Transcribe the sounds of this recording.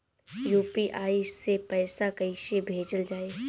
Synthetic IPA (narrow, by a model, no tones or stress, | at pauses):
juːpiʔaːiepɛːsakɐiʃebʱeːd͡ʒəld͡ʒaːeː